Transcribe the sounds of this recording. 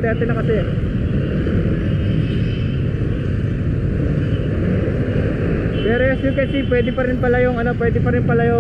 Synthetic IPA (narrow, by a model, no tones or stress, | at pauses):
t̪ɛaːt̪ɛnɐkɐsɛ | pɛːɾojɛsjokɛsipwɛːd̪ɪpɐɾɪnpɐlajoŋɐno̞pwɛd̪ɪpɐɾɪnpɐlajo